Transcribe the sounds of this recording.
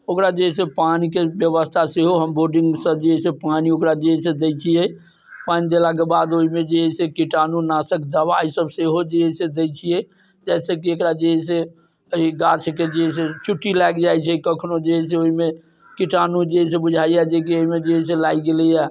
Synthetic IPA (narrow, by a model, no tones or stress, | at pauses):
okɾad͡ʒeɦɛsepanikebjəβəst̪ʰaseɦoɦəmboɾɖiŋɡsəbd͡ʒeɦɛsepaniokɾad͡ʒeɦɛs̬ẽd̪ejt͡ʃʰijɛ | panid̪elak̬ebad̪oɦimed͡ʒeɦɛsekiʈanunasəkʰd̪abaːisəbseɦod͡ʒeɦɛsed̪ejt͡ʃʰijɛ | d͡ʒɛsəkiekɾad͡ʒeɦɛs̬e | əiɡat͡ʃʰked͡ʒeɦɛs̬et͡ʃʰuʈːilaɡd͡ʒajt͡ʃʰɛkəkʰnod͡ʒeɦɛs̬eoɦime | kiʈanud͡ʒeɦsebud͡ʒʱaijad͡ʒek̬ioɦimed͡ʒeɦɛs̬elaiɡelɛja